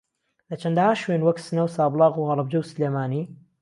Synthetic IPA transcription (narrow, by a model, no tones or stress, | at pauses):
lɐt͡ʃʰɐnd̪ɐhaːʃwenwɐksɨnɐwsaːblˠɑːɣuhɐɾˤɑb̚d͡ʒɐwsleːmaːniː